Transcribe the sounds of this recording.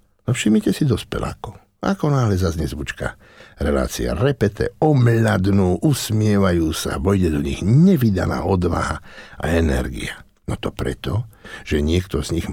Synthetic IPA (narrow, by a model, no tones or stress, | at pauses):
nɔfʃimɲicɛsid̪ɔspɛ̰la̰ːkɔ | a̰kɔnaːɦlɛzazɲɛzʋut͡ʃka̰ | ɾɛla̰ːt͡sḭa̰ɾɛpɛt̪ʰɛ̰ɔmʎad̪nuːʔusmɪɛʋajuːsa̰bɔjɟɛd̪ɔɲiɣɲɛʋid̪ana̰ːɔd̪ʋa̰ɦaa̰ɛnɛ̰ɾɡḭa | nɔt̪ɔpɾɛ̰t̪ɔʒ̥ɛɲɪɛkt̪ɔz̥ɲiɣ